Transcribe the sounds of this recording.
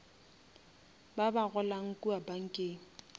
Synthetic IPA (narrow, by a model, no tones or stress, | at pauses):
babaɣʊlaŋ̩kʼuabaŋ̩kʼeːŋ̩